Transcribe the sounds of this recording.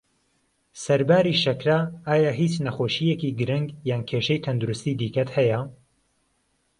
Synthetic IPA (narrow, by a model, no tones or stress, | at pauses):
sɐɾbaːɾiːʃɐkɾaaːjaːɦiːt͡ʃnɐxoːʃijekiːɡɨɾɪŋɡjaːnkʰeːʃɛjt̪ʰɐnd̪uɾust̪iːd̪iːkɐt̪hɛjɐ